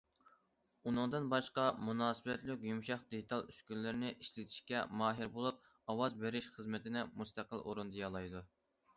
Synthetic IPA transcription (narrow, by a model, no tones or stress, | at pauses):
unɨŋd̪ɨnbɑʃqɑmunɑːsɨbɛt̪lɪkʲjymʃɑχd̪et̪ʰɑlˠyskʲylːɪɾnɪʔiʃlɪt̪ʰɪ̥ʃkʲɛmɑːɦɪɾbolˠup̚ | ɑwɑzbeɾɪʃχəzmɪt̪ʰɪnɪmust̪æqəlˠo̰ɾund̪ɨjɑlˠɑjd̪u